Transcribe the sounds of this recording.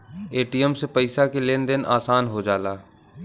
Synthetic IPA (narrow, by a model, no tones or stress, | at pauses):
eːʈiəmsepəɪsakeleːnd̪ɪnʔaːsaːnɦod͡ʒaːlaː